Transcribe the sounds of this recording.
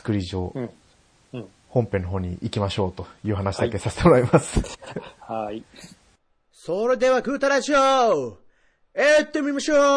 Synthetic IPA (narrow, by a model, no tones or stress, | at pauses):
t͡sɨ̥kɯ̟ɾʲiʑio | hõ̞mpe̞nːoɦo̞ːɲ̟ḭʔikʲimaɕo̞ːt̪o̞jɯ̟ːɦanaɕid̪ake̞sase̥t̪emoɾaimasɨ̥hai | soɾed̪e̞βakɯ̟ːt̪aɾaʑio | et̪ːemʲimaɕoː